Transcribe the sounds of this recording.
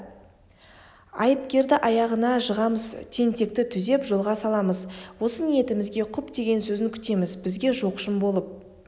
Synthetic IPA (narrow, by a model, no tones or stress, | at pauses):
ɑjəp̚kʲe̞ɾd̪ɪʔɑjɑʁənɑʒəʁɑməzt̪ʰe̞nt̪e̞k̚t̪ɪt̪ʰʏze̞pʒo̞lˠʁɑsɑlˠɑməzwo̞sənije̞t̪ɪmɪzɡʲe̞qʰʊpd̪e̞ɡʲe̞nsɵzɪŋkʲʰʏ̥t̪e̞mɪzbɪzɡʲe̞ʒoqʃəmbo̞lˠəp̚